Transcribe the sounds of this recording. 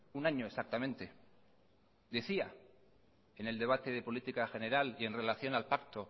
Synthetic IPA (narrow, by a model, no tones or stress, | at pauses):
unaɲoesak̚t̪amẽnt̪e̞ | d̪eθia | ene̞ld̪e̞β̞at̪eðe̞po̞lit̪ikaxe̞ne̞ɾalie̞nre̞laθjo̞nalpakt̪o̞